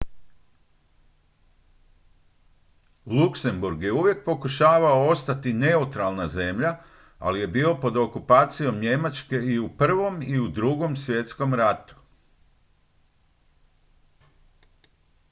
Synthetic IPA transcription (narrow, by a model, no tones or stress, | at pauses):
lˠukse̞mbuɾɡje̞uʋje̞k̚po̞kuʃaːʋao̞ost̪at̪ine̞ut̪ɾalˠnaze̞mʎa | a̰lije̞biːo̞po̞d̪o̞kupaːt̪sijo̞mɲe̞mat͡ʃke̞iupr̩ʋo̞miud̪ɾuɡo̞msʋje̞t̪sko̞mɾat̪u̥